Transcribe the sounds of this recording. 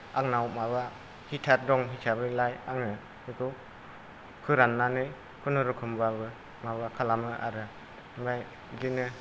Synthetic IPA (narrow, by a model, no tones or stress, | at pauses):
aŋnawmaβa | hitʰaɾ̚dɔŋɦisʰabɯlajaŋɯ | hikʰɯ | kʰɯɾanːanɯj | kʰunɯɾɯkʰɯmbabɯ | maβakʰalamɯʔa̰ɾɯ | baj | dinɯ